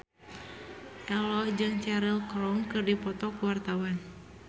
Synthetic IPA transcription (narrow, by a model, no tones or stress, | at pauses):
ʔɛlɔhd͡ʒɨŋt͡ʃɛɾilkɾɔŋkɨrdipɔt̪ɔkuwart̪awan